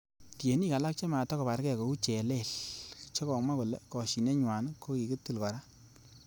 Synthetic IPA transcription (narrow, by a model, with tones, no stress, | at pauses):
tje˨ni˦ka˨la˦k̚t͡ʃe˦ma˨tɔ˦kɔ˨pa˨ɾkɛ˦˨ko˨u˦t͡ʃe˨le˦˨lt͡ʃɔ˦kɔ˨ma˦ku˨lḛ˨kɔ˨ʃi˨ne˦ɲwa˨n˦ko˦ki˨kɨ˦tːu˦˨lkɔ˨ɾa˦